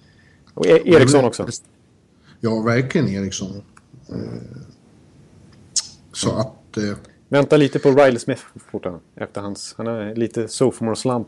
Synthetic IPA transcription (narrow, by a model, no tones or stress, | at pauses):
ɔ̰ʔeːɾɪkksɔnːɔksɔ | jɑːvæɾklɪɡəneːɾɪksɔn | sɔʔat̪ | vɛnt̪aliːt̪əpʰɔɾajləsmɪθfʊʈːanʔɛ̰ft̪əɾhanshanæɾliːt̪əsɔfmɔɾslamp